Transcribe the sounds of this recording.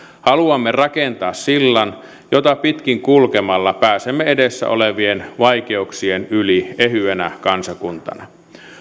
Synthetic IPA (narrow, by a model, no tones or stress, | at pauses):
hɑluɑmːerɑkent̪ɑːssilːɑn | jot̪ɑpit̪kiŋkulkemɑlːɑpæːsemːeedesːæ̰ʔo̰leʋienʋɑijkeuksienyliehyænækɑnsɑkunt̪ɑ̰nɑ